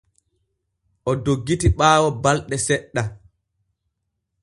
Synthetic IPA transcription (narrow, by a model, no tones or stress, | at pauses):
ʔɔdoɡːitiɓaːwɔbalɗɛsɛɗːa